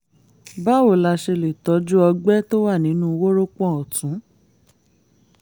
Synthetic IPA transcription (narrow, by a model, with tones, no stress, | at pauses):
ba˦o˨la˧ʃe˧le˨tɔ˨˦d͡ʒu˦ɔ˧ɡ͡bɛ˦to˦wa˦˨nĩ˨˦nũ˦˧wo˦ɾo˦k͡pɔ̃˦˨ɔ˨tũ˨˦